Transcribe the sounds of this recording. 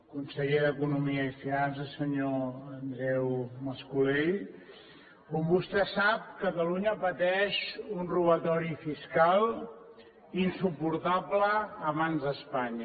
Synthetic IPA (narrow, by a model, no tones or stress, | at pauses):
kunsəʎeðəkunumiəifinansəsəɲoənd̪ɾɛwməskuleʎ | kombust̪ɛsap̚kət̪əluɲəpət̪ɛʃunruβət̪ɔɾifiskalˠ | insupuɾt̪abləːβanzəspaɲ